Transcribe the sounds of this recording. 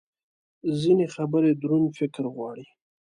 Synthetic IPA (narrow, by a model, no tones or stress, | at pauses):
zinexabəɾed̪ɾunfɪkɾɣwɑɽi